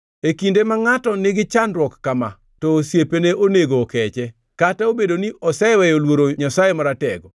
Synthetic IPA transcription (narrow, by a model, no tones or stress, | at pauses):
ekindemaŋatɔnɪɡɪt͡ʃandɾwɔkːama̰ | toːsjepeneʔoneɡoːkɛt͡ʃɛ | kataobedoniʔɔsɛewɛjolwoɾoɲasajemaɾatɛ̰ɡɔ